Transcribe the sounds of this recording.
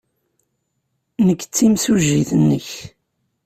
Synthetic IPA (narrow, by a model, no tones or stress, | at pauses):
nəkːt͡sːimsuʒːiθənːəç